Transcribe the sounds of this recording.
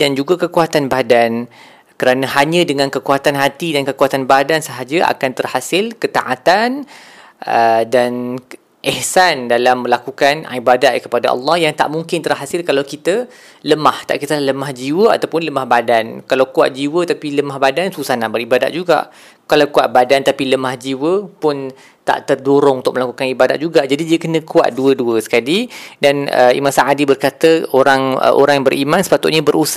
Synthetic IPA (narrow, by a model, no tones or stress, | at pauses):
dand͡ʒuɡakəkuat̪anbadan | kəɾanãɦaɲə̃dəŋãnkəkuat̪anɦat̪idankəkuat̪anbadansəɦad͡ʒaʔa̰kant̪ərhasɪlkət̪a̰ʔat̪an | ədan | ʔɛhsandalamːə̃lakukanibadat̪̚kə̥pada̰ʔɑ̰lːɑhjaŋt̪a̰ʔmuŋkɪnt̪ərɦasɪlkalawkit̪ə | ləmaht̪a̰ʔkit̪əlaləmahd͡ʒiwəa̰t̪awpʊnləmahbadankalawkua̰t̪̚d͡ʒiwət̪apiləmahbadansusahnaʔbəɾibada̰t̪̚d͡ʒuɡa̰ʔ | kalawkua̰ʔ̪̚badant̪apiləmahd͡ʒiwəpʊn | t̪a̰ʔt̪ərdoɾʊŋunt̪ʊk̚mə̃lakukanibada̰t̪̚d͡ʒuɡaʔd͡ʒadidiəkənə̃kua̰t̪̚duəduəsə̥kalidanə̰ḭmãnsaadibərkat̪əoɾaŋə̰ʔo̰ɾaŋjabəɾʔimãnsə̥pat̪ʊ̰ʔ̪ɲabəɾʔusa